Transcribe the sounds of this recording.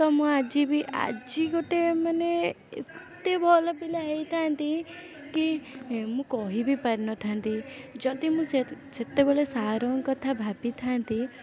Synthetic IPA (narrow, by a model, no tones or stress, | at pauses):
t̪ɔmũad͡ʒibʱiʔa̰d͡ʒikoʈemane | ḛt̪ebʱɔlɔpilaɦejt̪ʰant̪i | kimũkɔɦibʱipaɾinɔt̪ʰant̪id͡ʒɔd̪imũseset̪ebɔɭesaːɾɔŋkɔt̪ʰabʱapit̪ʰant̪i